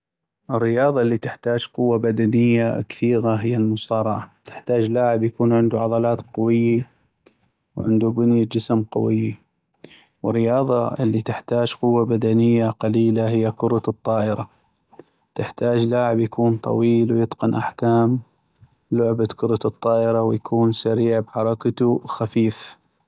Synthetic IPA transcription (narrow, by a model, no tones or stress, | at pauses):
ʔɪrːɪjɑːðˤɑlːit̪ɪħt̪aːd͡ʒqʊwːabad̪anɪjːakθiːɣaɦɪjːalmʊsɑːɾˤɑʕat̪ɪ̥ħt̪aːd͡ʒlaːʕɪbjakuːnʕɪnd̪uʕɑðˤɑlɑːt̪qɑwɪjːa | wʕɪ̰nd̪ubʊnjad͡ʒɪsmqɑ̰wɪjːi | wɪrːɪjɑːðˤɑ̰ʔɪlːit̪ɪħt̪aːd͡ʒqʊwːabad̪anɪjːaqɑliːlaɦɪjːakʊɾˤɑt̪ˤːɑːʔɪɾa | t̪ɪħt̪aːd͡ʒlaːʕɪbjakuːnt̪ˤɑ̰wiːlwjɨt̪ˤqɪnʔa̰ħkaːm | lʊʕbakʊɾˤɑt̪ɨt̪ˤːɑːʔɪɾɑwjakʰuːnsaɾiːʕbħɑɾˤɑkat̪uxafiːf